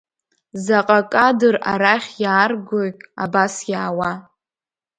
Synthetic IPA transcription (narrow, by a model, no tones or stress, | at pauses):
zaqʼakʼadɨraɾaχʲjaːrɡoja̰basjaːwa